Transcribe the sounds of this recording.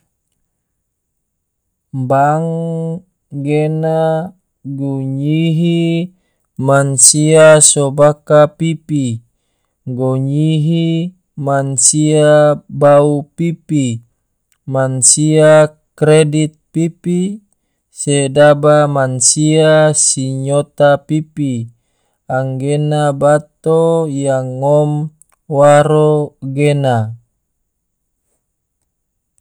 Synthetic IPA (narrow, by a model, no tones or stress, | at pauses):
baŋ | ɡena | ɡuɲiɦi | mansiasobakapipi | ɡoɲiɦi | mansiabaupipi | mansia | kɾedit̪̚pipi | sedabamansiasiɲot̪apipi | aŋɡenabat̪ojaŋːɔm | waɾoɡena